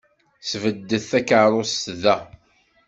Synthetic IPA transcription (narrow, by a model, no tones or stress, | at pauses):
svəd̪ːəθθækəʕɾˤost̪ðæ